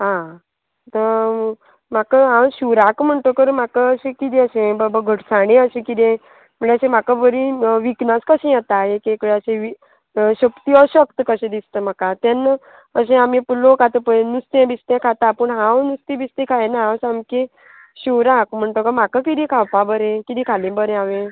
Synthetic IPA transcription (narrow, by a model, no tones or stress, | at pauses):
ɦã | t̪ə | m̤akəɦãwɕuʋɾakm̤əɳʈ̪okəɾm̤akəəɕẽkid̪ẽəɕẽbəbəɡʱəʈsaɽ̃ẽəɕẽkid̪ẽ | m̤əɳeəɕẽm̤akabəɾiʋiknat͡skəɕẽjat̪aɦekekɽeəɕẽʋi | ɕəkt̪iːəɕəkt̪əkəɕẽd̪ist̪əm̤akat̪ɛn | əɕẽamĩpulokat̪əpənust̪ẽbist̪ẽkʰat̪apəɳɦãwnust̪ẽbist̪ẽkʰaenaɦãwsãmkẽ | ɕiwɾakm̤əɳʈ̪okəɾmakakid̪ĩkʰawpãbəɾẽkid̪ĩkʰalẽbəɾẽaʋẽ